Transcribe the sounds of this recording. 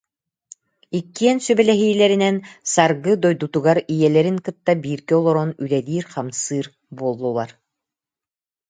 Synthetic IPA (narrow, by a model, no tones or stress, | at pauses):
ikːiɛnsybɛlɛɦiːlɛɾinɛnsaɾɡɯd̪ɔjd̪ut̪uɡaɾijɛlɛɾiŋkɯt̪ːabiːɾkiɔlˠɔɾɔnylɛd̪iːɾχamsɯːɾ | buɔlˠːulˠaɾ